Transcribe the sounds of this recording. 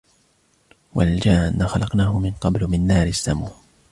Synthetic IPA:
wald͡ʒaːnːaxɑlɑqnaːhʊmɪnqɑblmɪnːaːɾɪsːamuː

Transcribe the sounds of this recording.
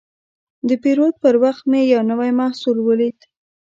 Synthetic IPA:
d̪əpiɾod̪̚pəɾwaxt̪mejawnəwajmahsuɾwəlit̪

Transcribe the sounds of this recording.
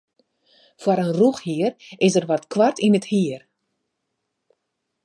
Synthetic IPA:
fwɔɾənruxhiərɪsərʋɔtkʰwartiməthiər

